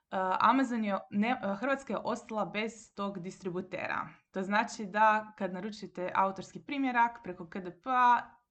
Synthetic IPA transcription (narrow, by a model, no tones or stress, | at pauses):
əʔa̰mazonjenexr̩ʋat̪skajeʔo̞st̪alˠabe̞z̥t̪o̞ɡd̪ist̪ɾibut̪ḛːɾa̰t̪o̞znaːt͡ʃid̪akad̪naɾut͡ʃit̪eʔa̰ut̪o̞ɾskipɾiːmje̞ɾakpɾekokəd̪epəa